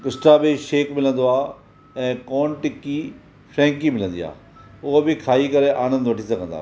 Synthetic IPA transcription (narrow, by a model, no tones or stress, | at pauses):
kɪsʈabiʃeːkmɪlə̃nd̪oaː | ɛ̃ːkɔːnʈɪkːi | fʰɾɛ̃ːŋkimɪlə̃nd̪ḭa̰ː | ʊɦobʱɪkʰaːikɐɾeʔaːnə̃nd̪ʋɐʈʰisɐɡʱə̃nd̪a̰ː